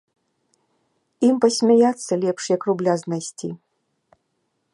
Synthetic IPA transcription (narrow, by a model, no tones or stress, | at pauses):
impɐsʲmʲajat̪sːɐlʲɛpʂjɐkrublʲaznajsʲt͡sʲi